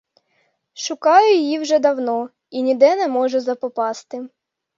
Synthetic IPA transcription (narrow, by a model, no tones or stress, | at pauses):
ʃʊkɑjʊjjiwʒɛd̪ɐwnɔ | inʲid̪ɛnɛmɔʒʊzɐpɔpɑst̪ɪ